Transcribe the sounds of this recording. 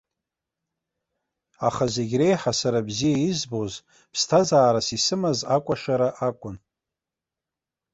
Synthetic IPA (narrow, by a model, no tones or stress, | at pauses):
aχaze̞ɡʲre̞jħasaɾabzijaizboz | pʰstʰazaːɾasisɨmazakʷʼaʂaɾaʔakʷʼʊn